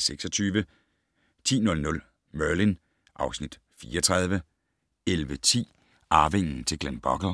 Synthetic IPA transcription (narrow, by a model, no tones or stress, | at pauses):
seɡ̥sɒt͡sʰyːʋə | t͡sʰḭːnɔ̽lnɔ̽l | mɶɐlin | ʔɑ̈ʊsnid̥ | fiːɒt͡sʰʁɑ̈ð̞ˠʋə | elʋət͡sʰḭː | ɑ̈ːʋeŋ̰n̩t͡sʰe̝ɡ̥lænb̥ɒɡ̥ə